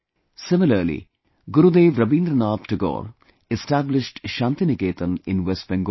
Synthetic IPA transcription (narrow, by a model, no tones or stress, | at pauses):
sɪmɪləɾlḭ | ɡʊɾud̪eːʋɾɐbĩːnd̪ɾənaːt̪̚ʈəɡɔ̰ːɾ | ɪsʈæblɪʃʈʃãːnt̪inɪkeːt̪ə̃nɪ̃nʋɛsʈ̚bɛ̃ŋɡo